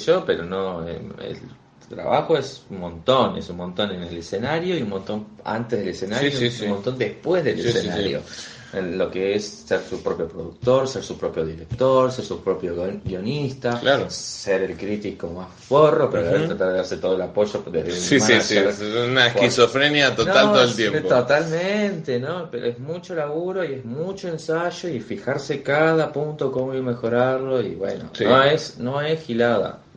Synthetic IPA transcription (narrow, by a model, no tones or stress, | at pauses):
ʒopeɾo̞noḛḛl | t̪ɾa̰βaxo̞esummõnt̪o̞nesunmõnt̪o̞nenelesenaɾjoiumõnt̪o̞na̰nt̪ezð̞elesenaɾjoummont̪o̞nd̪ehpwezðelessenaɾjo̰ | elo̞keesːeɾsupɾo̞pjo̞pɾoðuk̚t̪o̞ɾseɾsupɾopjo̞ðiɾek̚t̪oɾseɾsupɾopjoɡio̞nist̪allaseɾelkɾit̪ikkomasforopeɾaaet̪ɾat̪aɾðeaɾset̪oðoelapo̞ʒopḛðsiaiinaehkisofɾenjat̪onalt̪oðolt̪jempot̪ot̪almẽnt̪enopeɾo̰ʔezmut͡ʃolaɣuɾo̞iezmut͡ʃoensaʒoifixaɾsekaðapunt̪o̞ko̞moimexo̞ɾaɾlo̞iβwḛno̰snoesno̞esxilaða̰